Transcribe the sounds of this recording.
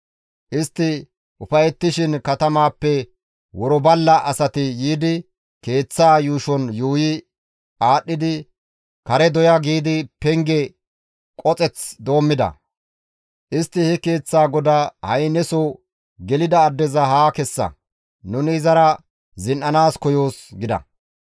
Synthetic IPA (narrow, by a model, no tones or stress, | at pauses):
ʔɪst̪ːɪ | ʊfɐjɛt̪ːɪʃɪnkɐt̪ɐmaːpːɛ | wɔɾɔbɐlːɐʔɐsɐt̪ɪjiːd̪ɪ | ke̞ːt͡sːaːjuːʃɔnjuːjɪ | ʔaːɗːɪd̪ɪ | kɐɾɛd̪ɔjaɡiːd̪ɪpɛŋɡɛ | kʼɔt͡sʼɛt͡sd̪o̞ːmːɪd̪ɐ̰ | ʔɪst̪ːɪhɛke̞ːt͡sːaːɡɔd̪aːhɐjnɛsɔ | ɡɛlɪd̪ɐːd̪ːɛzɐɦaːkɛsːɐ̰ | nʊnɪːzɐɾɐ | zɪnʔɐnaːskɔjo̞ːsɡɪd̪ɐ̰